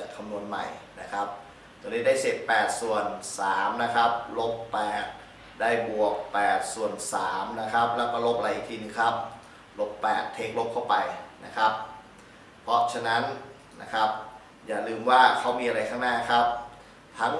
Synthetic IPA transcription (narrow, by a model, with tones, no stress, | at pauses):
a˨˩t̪̚kʰa˧mnu˧ənma̰˨˩jna˦˥kʰa˦˥p̚ | t̪ɛ˧˩lɤː˧˥˩daː˥˩jse˨˩t̪̚pɛː˨˩t̪̚su˨˩ənsaː˩˦mna˦˥kʰa˦˥p̚lo˦˥p̚ːɛː˨˩t̪̚ | daː˥˩jbu˨˩ək̚pɛː˨˩t̪̚su˨˩ənsaː˩˦mna˦˥kʰa˦˥p̚lɛː˦˥wkɔː˥˩lo˦˥p̚ʔa˧ɾa˧jʔːk̚t̪ʰiː˧nɯː˧˩ŋkʰa˦˥p̚ | lo˦˥pːɛ̰ː˨˩t̪ʰːeː˦˥k̚lo˦˥p̚kʰa˥˩wpa˧jna˦˥kʰa˦˥p̚ | pʰːɔ˦˥t͡ɕʰa˧na˦˥n | na̰˦˥kʰa˦˥p̚ | jaː˨˩lɯː˧mwaː˥˩kʰa˦˥wmiː˧ʔa˧ɾa˧jkʰaː˥˩ŋnaː˥˩kʰa˦˥p̚ | t̪ʰaː˦˥ŋ